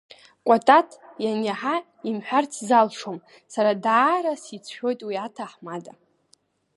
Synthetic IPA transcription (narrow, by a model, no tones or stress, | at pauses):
kʷʼatʼatʰjanaħa | imħʷᶣart͡sʰzalʂom | saɾadaːɾasit͡sʷʰħʲʷᶣo̞jtʼwiatʰaħmada